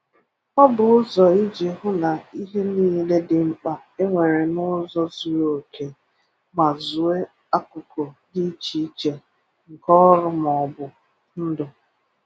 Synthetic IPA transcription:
ɔ˦bʊ˨ʊ˦zɔ˨i˦d͡ʒe˨ɦʊ˦na˨i˦ɦe˦niː˦le˦dɪ˨m̩˦k͡pa˨ | e˦ŋʷe˨ɾe˨nʊ˦zɔ˦zu˨o˨ke˨ | ma˨zʊ˨e˦ | a˦kʊ˨ko˨di˦i˦t͡ʃi˦i˦t͡ʃe˨ | ŋ̩˨kɔ˦ɾʊ˦m˨ɔ˨bʊ˨ | n̩˦dʊ˨

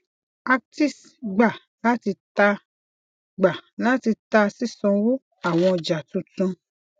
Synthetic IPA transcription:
a˧k̚ti˦˨s | ɡ͡ba˨ | la˦ti˧ta˧ | ɡ͡ba˨la˨˦ti˧ta˧si˦˨sɔ̃˧wo˦ | a˨w̃ɔ̃˧d͡ʒa˨tũ˨˦tũ˧

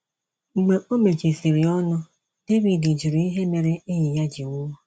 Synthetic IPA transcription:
ŋ͡m̩˨ɡ͡be˨ʔo˦me˨t͡ʃe˨si˨ɾɪ˨ɔ˦nʊ˦ | d̥e˦vi˨de˨d͡ʒu˨ɾu˨i˦ɦe˦me˨ɾe˦e˦ɲi˨ja˦d͡ʒi˨wʊ˦ɔ˦

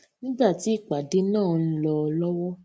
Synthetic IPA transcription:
nĩ˦ɡ͡ba˦˨ti˨˦i˦˨k͡pa˨de˨˦nãː˦˨n̩˦lɔ˧lɔ˦wɔ˦

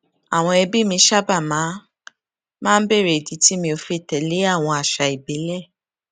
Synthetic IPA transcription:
a˨w̃ɔ̃˧ɛ˧bi˦mĩ˧ʃa˦ba˦˨mã˨˦ | mãː˦˧n̩˦be˦˨ɾe˨di˨˦ti˦mĩ˧o˧fi˧tɛ˨le˨˦a˦˨w̃ɔ̃˧a˨ʃa˨˧i˨be˨˦lɛ˦˨

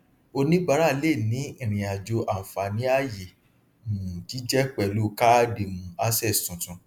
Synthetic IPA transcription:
o˧nĩ˦ɡ͡ba˨˦ɾa˦˨le˦˨nĩ˨˦ĩ˦˨ɾ̃ĩ˨a˨d͡ʒo˧ʔa˨m̩˨fa˨nĩ˨˦a˦˨je˨ | ũ˨ti˨˦d͡ʒɛ˦k͡pɛ˨lu˨˦ka˦de˨mũ˧˦a˦sɛ˦˨stũ˨tũ˧

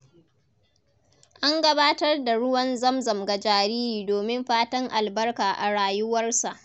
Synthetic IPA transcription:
ʔa˦ŋɡɐ˦baː˦tɐ˦rda˨ɽʊ˦wɐ˦nzɐ˦mzɐ˨mɡɐ˨d͡ʒaː˨ɾiː˦ɾiː˨doː˨mɪ˦mɸaː˦tɐ˦ŋʔa˨lbɐ˦rkaː˨ʔa˨ɽaː˨jʊ˦wɐ˦rsa˨ʔ

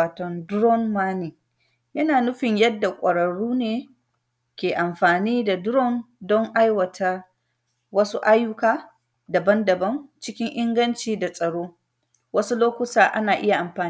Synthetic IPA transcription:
aː˨tɔ˨ndʊ˦ɾɔ˦nmaː˦niː˨ | jɐ˦naː˨nʊ˦ɸɪ˨ɲjɐ˦dːa˨kʷʼɐ˨ɽɐ˨ɽuː˦neː˨ | kʲeː˨ʔa˨mɸaː˨niː˦da˨dʊ˦ɾɔ˦ndɔ˦ŋʔa˦jwɐ˨tʰa˦ | wɐ˦su˦ʔa˦jːʊ˦kaː˦ | dɐ˨bɐ˦ndɐ˨bɐ˦nt͡ʃɪ˦kʲɪ˦ŋʔɪ˦ŋɡɐ˦nt͡ʃiː˨da˨sʼɐ˨ɽoː˦ | wɐ˦su˦loː˦kʷʊ˦taː˨ʔa̰˦naː˨ʔɪ˦ja˨ʔa˨mɸaː˨

